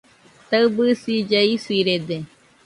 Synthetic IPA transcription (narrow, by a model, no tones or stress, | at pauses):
t̪aɨbɨsid͡ʒeisiɾed̪e